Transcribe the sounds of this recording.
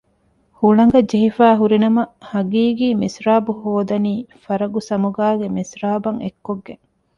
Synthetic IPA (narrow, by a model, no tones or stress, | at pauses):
huɭɐŋ̆ɡɐd͡ʒeɦifæːɦuɾinɐmɐhɐɡiːɡiːmisɾaːbuhoːd̪ɐniːfɐɾɐɡusɐmuɡaːɡemisɾaːbɐŋekːoɡːeŋ